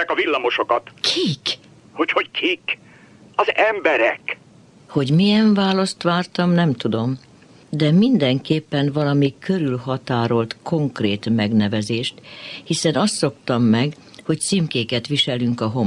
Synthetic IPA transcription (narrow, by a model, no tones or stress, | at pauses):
ɛkɒvilːɒmo̞ʃokɒt̪kʰik | ho̞cho̞ckʰik | ɒzɛmbɛɾɛk | ho̞ɟmijɛɱvaːlɒst̪ʋaːrt̪ɒmnɛmt̪ud̪o̞m | d̪ɛmind̪ɛŋkeːpːɛnvɒlɒmikøɾylɦɒt̪aːɾo̞lt̪kʰo̞ŋkreːt̪mɛɡnɛvɛzeːʃt̪hisɛnɒst̪so̞kt̪ɒmːɛɡ | ho̞ct̪simkeːkɛt̪ʋiʃɛlyŋkɒɦo̞m